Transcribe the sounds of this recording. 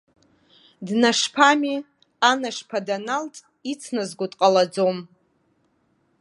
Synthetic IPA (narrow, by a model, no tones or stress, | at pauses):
dnaʂpʰami | anaʂpʰadanaltʼ | it͡sʰnazɡʷʊtʼqʼalad͡zom